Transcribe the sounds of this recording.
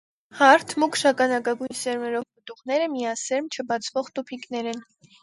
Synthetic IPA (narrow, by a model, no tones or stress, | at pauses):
hɑɾt̪ʰmukʃɑkɑnɑkɑɡujnsɛɾmɛɾɔvpət̪uʁnɛɾəmijɑsɛɾmt͡ʃʰəbɑt͡sʰvɔʁt̪upʰiknɛɾɛn